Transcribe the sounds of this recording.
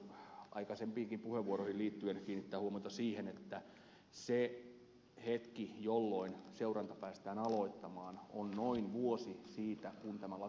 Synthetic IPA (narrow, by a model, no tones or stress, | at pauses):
ɑ̰ikɑsempiːŋkimpuheʋuoɾoihiliːt̪ːyenkiːnːit̪ːæːhuomɑjt̪ɑsiːhenet̪ːæ | se | het̪kijolːoinseuɾɑnt̪ɑpæːst̪æːnɑloit̪ːɑmɑːnonnoinʋuosisiːt̪ækunt̪æmælɑ